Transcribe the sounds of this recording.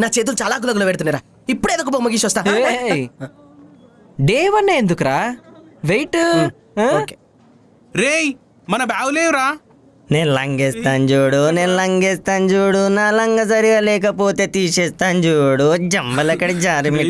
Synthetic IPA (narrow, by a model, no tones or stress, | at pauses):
naːt͡ʃeːt̪̬ult͡ʃalaːk̬ulɐɡɐlɐʋeːʈt̪unːiɾaː | ipːuɽeːd̪ɐkuboːmɐɡiʃɔst̪aː | ɖeːʋɐnːeːnd̪ukɾaːʋejʈː | k | ɾeːj | mɐnɐbaːwleːʋɾaː | neːnlɐŋɡest̪aːnd͡ʒuːɽuneːnlɐŋɡeːst̪aːnd͡ʒuːɽunaːlɐŋɡɐsɐɾiʋɐlɛːkɐpoːt̪eːt̪iːʃeːst̪aːnd͡ʒuːɽud͡ʒɐmbɐlɐkːɐɽed͡ʒaːɾimi